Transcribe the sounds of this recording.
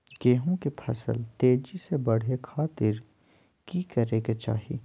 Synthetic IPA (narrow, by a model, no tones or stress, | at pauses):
ɡeːɦõkepʰɐ̰sə̰lt̪eːd͡ʒisebɐɽ̤ekʰaːt̪ɪɾ | kiːkɐɾeɡet͡ʃa̰ːɦḭː